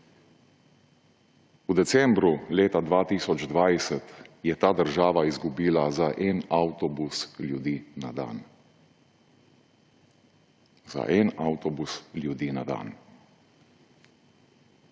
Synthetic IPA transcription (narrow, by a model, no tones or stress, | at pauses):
ud̪ɛsɛmbɾuleːt̪ad̪ʋaːt̪iːsɔd͡ʒd̪ʋajsɛt̪jɛt̪aːd̪əɾʒaːʋaizɡubiːlazaʔɛnawt̪ɔbusljud̪iːnad̪a̰ːn | z̥a̰ʔɛnawt̪ɔbusljud̪iːnad̪a̰ːn